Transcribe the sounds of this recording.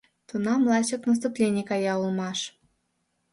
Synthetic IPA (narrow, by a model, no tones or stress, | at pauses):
t̪unɑmlˠɑt͡ɕəknəs̬t̪uplʲenʲjkɑjɑulˠmɑʃ